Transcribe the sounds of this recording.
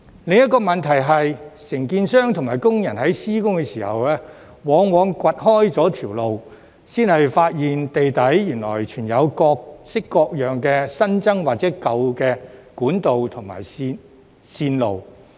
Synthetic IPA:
lɪ˨ŋjɐ˥t̚kːɔː˧mɐ˨nt̪ʰɐ˨˩jɦɐ˨jsɪ˨˩ŋkiː˧nsœː˥ŋt̪ʰʊ˨˩ŋmaː˨˩jkʊ˥ŋjɐ˨˩nhɐ˨˥jsiː˥kʊ˥ŋkɛː˧siː˨˩hɐ̰˨wlɛː˥ | wɔː˨˥ŋwɔː˨˧ŋkʷɐ˨t̚hɔː˥jt͡sɔː˨˥t̪ʰiː˨˩wlo˨w | siː˥nhɐ˨jfaː˧t̚jiː˨nt̪e˨jt̪ɐ˨˥jjyː˨˩nlɔ̰ː˨˩jt͡ʃʰyː˨˩njɐ˨˧wkɔː˧k̚sɪ˥kːɔː˧k̚jœː˨ŋkɛː˧sɐ˥nt͡sɐ˥ŋwaː˨t̚t͡sɛː˨˥kɐ˨˧wkɛː˧kuː˨˥nt̪o˨wt̪ʰʊ˨˩ŋma̰ː˨˩ji˧ | siː˧nlo˨w

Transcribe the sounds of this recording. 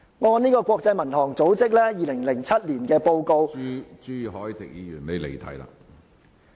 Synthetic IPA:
ŋɔː˨˧waː˨niː˥kɔː˧kʷwʷɔː˧k̚t͡sɐ˧jmɐ˨˩nhɔː˨˩ŋt͡so˨˥wt͡sɪ˥k̚lɛː˥jiː˨˧lɪ˨˩ŋlɪ˨˩ŋt͡sʰɐ˥t̚liː˨˩nkɛː˧po˧wko˧wt͡ʃyː˥hɔː˨˥jt̪ɪ̰˨k̚jiː˨˧jyː˨˩nle˨˧jlḛ˨˩jt̪ʰɐ̰˨˥jla̰ː˧˨

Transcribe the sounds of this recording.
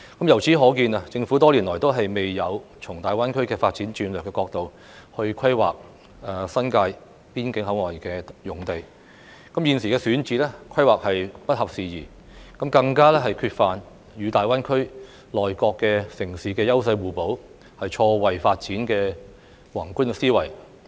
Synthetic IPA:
kɐ˨˦mjɐ˨˩wt͡sʰiː˨˥ɦɔː˨˥kiː˧naː˨t͡sɪ˧ŋfuː˨˥t̪ɔː˥liː˨˩nlɔː˨˩jt̪o˥wɦɐ˨jme˨jjɐ˨˧wt͡sʰʊ˨˩ŋt̪aː˨jwaː˥nkʰɵ˥ɥkɛː˧faː˧t̚t͡siː˨˥nt͡ʃyː˧nlœː˨kːɛː˧kɔː˧k̚t̪o˨w | hɵ˧ɥkʰɐ˥jwa̰ː˨k̚ | ɛ˨sɐ˥nkaː˧j | piː˥nkɪ˨˥ŋɦɐ˨˥wŋɔː˨˩jkɛː˧jʊ˨˩ŋt̪e˨j | kɐ˨˥mjiː˨˧nsiː˨˩kɛː˧syː˨˥nt͡siː˨˥lɛ˥kʰɐ˥jwaː˨k̚hɐ˨jpɐ˥t̚hɐ˨p̚siː˨jiː˨˩ | kɐ˨˥mkɐ˧ŋkaː˥lɛ˥ɦɐ˨jkʰyː˧t̚faː˨n | jyː˨˧t̪aː˨jwaː˥nkʰɵ˥ɥ | lɔː˨jkɔː˧kːɛː˧sɪ˨˩ŋsiː˨˥kɛː˧jɐ˥wsɐ˧jwuː˨˩po˨˥w | hɐ˨jt͡ʃʰɔː˧wɐ˨jfaː˧t̚t͡siː˨˥nkɛː˧ | wɐː˨˩ŋkuː˥nkɛː˧siː˥wɐ˨˩j

